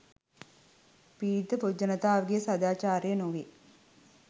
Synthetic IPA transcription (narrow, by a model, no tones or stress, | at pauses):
piːd̪əpod͡ʒɐnɐt̪aːʋɡijəsɐd̪aːt͡ʃaːɾjənuʋi